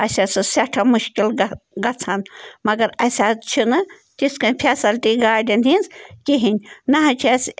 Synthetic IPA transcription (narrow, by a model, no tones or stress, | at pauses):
ɐsʲasɨsɐʈʰɐmuʃkilɡɐt͡sʰɐnmɐɡɐɾɐsʲat͡ʃʰinɨ | t̪iskɐnʲpʰesɐlt̪iɡaːɖʲɐninskiɦinʲnɐɦɐt͡ʃʰes